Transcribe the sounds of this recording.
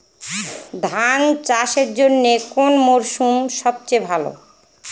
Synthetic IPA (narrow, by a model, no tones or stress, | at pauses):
d̪ʱaŋt͡ɕaʃeɾd͡ʑonːekonmoɾʃumʃɔb̚t͡ɕebʱalo̰